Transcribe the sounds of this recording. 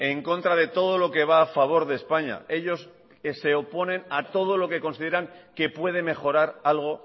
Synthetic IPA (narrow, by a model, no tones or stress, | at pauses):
e̞ŋko̞nt̪ɾað̞e̞t̪o̞ð̞o̞lo̞ke̞β̞aːfaβ̞o̞ɾðe̞ːspaɲa̰e̞ʎo̞s | se̞opo̞nẽ̞nat̪o̞ð̞o̞lo̞ke̞ko̞nsið̞e̞ɾaŋke̞pwe̞ð̞e̞me̞xo̞ɾaɾalɣ̞o̞